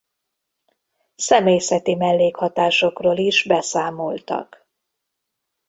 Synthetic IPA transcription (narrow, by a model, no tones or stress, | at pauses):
sɛmeːjsɛt̪imɛlːeːkhɒt̪aːʃo̞kroːliʒbɛsaːmolt̪ɒ̰k